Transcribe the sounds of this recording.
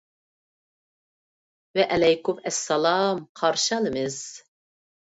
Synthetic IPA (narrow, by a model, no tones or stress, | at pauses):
wɛʔælɛjkʊmɛsːɐlɑːmqʰɑɾʃɑlɨmɪz